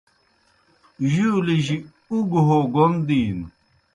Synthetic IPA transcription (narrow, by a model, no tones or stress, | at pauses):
ʑiuliʑi | uɡɦoɡond̪iːn